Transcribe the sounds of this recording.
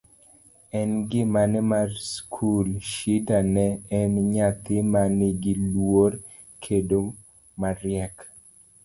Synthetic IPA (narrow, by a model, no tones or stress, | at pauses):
ɛnɡɪmanɛmarskʰulʃidanɛɛmɲat̪ɪmanɪɡɪlwoɾ | kʰedo | maɾjɛk